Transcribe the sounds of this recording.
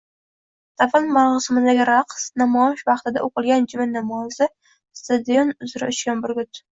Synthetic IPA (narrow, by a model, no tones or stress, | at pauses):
t̪ʰafalmaʁsɪmɪd̪aɡʲɪɾaqsnamɒɪʃvɑχt̪ɪd̪a̰ʔoqɨlˠɡʲand͡ʒɪmɪnnːamɒjɪsɪ | st̪ad̪ijonʊzɾaʊt͡ʃkʲanbʊɾɡʲʊt̪